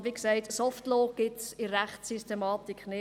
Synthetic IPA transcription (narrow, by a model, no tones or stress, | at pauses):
ʋiksɛɪtsɔftloːɡ̥ɪtsiɾæχtsystemɑːtikχnɪ